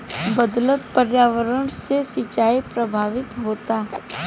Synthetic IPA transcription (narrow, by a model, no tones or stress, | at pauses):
bəd̪lət̪pəɾjaːʋəɾəɳ̃sesɪt͡ʃaːipɾəbʱaːʋɪt̪ɦoːt̪aːɦ